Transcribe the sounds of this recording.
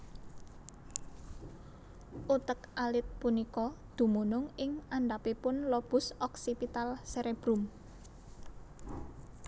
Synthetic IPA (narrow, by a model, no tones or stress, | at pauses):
ʔut̪əkʔalɪt̪̚punikɔd̪̥ṳmunʊŋɪŋaɳɖapipʊnlɔb̥ʊ̤sɔksipit̪alseɾeb̥ɾum